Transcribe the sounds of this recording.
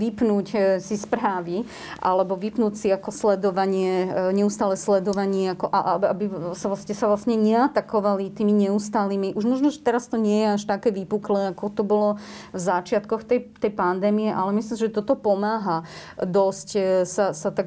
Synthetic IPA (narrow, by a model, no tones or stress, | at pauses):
ʋipnuːcsispɾaːʋi | ʔa̰lɛbɔʋipnuːcsiakɔslɛd̪ɔʋaɲɪɛɲɛust̪aːlɛːslɛd̪ɔʋaɲɪɛakɔʔa̰ʔaabisalasɲɛsaʋlasɲɛɲɛat̪akɔʋalit̪iːmiɲɛust̪aːliːmiʔuʒmɔʒnɔʒɛt̪ɛɾast̪ɔɲɪɛjɛaʃt̪akɛːʋipuklɛːakɔt̪ɔbɔlɔvzat͡ʃɪat̪kɔxt̪ɛjt̪ɛjpand̪ɛːmiɛʔalɛmislimsiʒɛt̪ɔt̪ɔpɔmaːɦad̪ɔscsasat̪aɡ